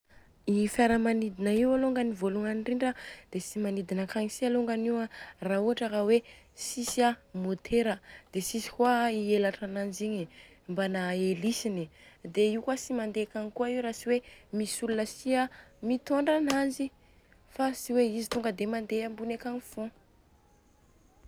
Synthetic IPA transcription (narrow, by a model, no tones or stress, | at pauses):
ifaɾəmanid̪inaiwaloŋɡanivoluŋanɳɖ͡ʐiɳɖ͡ʐəd̪̥esimanid̪inəkaɲisialoŋɡaniwarauaʈ͡ʂəɾawe | sisiamot̪ʰeɾəd̪̥esisi̥kwaielaʈ͡ʂanand͡ʒiɲi | mbanaelisinid̪eiukasimand̪ekaɲikuaiwɾasiwemisulunəsiamit̪oɳɖ͡ʐanand͡ʒi | fasiweizit̪uŋɡəd̪emand̪eambunekanifõ